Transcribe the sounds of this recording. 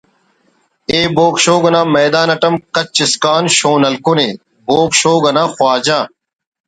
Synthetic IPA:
eːboːkʃoːɡɐnãːmɐːd̪aːnɐʈɐmkɐt͡ɕt͡ɕːɪskaːnɕoːnɐlkuneː | boːkʃoːɡɐnãːxwaːd͡ʑaː

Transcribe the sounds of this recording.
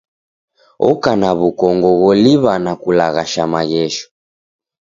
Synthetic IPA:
ɔ̰kanaβukɔŋɡɔɣɔliβanakulaɣaʃamaɣɛʃɔ̥

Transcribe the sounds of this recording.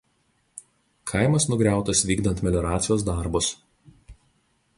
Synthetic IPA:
kʰɐɪmɐsnʊɡɾʲæˑʊt̪ɐsʋʲiːɡd̪ɐnt̪mʲɛlʲɔɾɑːt̪sʲɪjoːs̬d̪ɑˑɾbʊs

